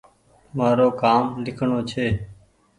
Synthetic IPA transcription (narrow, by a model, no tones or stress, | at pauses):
maːɾoːkaːmlɪkʰɳoːt͡ʃʰeː